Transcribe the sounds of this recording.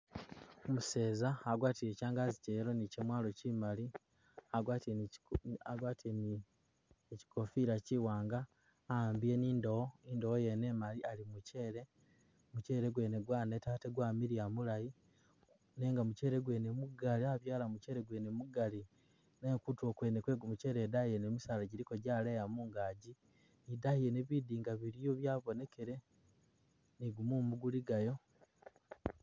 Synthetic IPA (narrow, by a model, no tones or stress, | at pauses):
muse̞ːzaːɡwaːtiɾe̞caːŋɡaziceɾo̞nicemwaːlo̞cimali | aɡwaːti | aɡwatn | eci̥ko̞fiɾaciwaːŋɡaː | aːmbije̞niːndooindowoje̞nemalialimuceɾe̞ | muce̞ːɾeɡwe̞ːneɡwaːne̞taːteɡwaːmiɾiamulaji | ne̞ːŋɡamuce̞ːɾeɡwe̞ːnemuɡaliaβjaːlamuceɾe̞ɡwe̞ːnemuɡali | nekutwo̞kwe̞ːnekwe̞ːɡumuce̞ːɾedaijenemisaːlaɟiɾikoɟaːleːjamuːŋɡaːɟi | idaije̞neβidiːŋɡaβiɾijoβjaːβo̞ne̞ke̞ɾe̞ | niɡumumuɡuliɡajo̞